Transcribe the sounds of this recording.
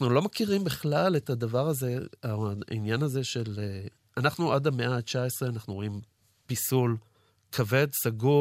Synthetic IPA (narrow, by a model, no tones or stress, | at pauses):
anulo̞makiʁimbiχlaletadavaʁaze̞aḭnjanaze̞ʃe̞le | anaχnuʔadameʔat͡ʃaesʁeanaχnuʁo̞im | pisul | kʰave̞dsaɡu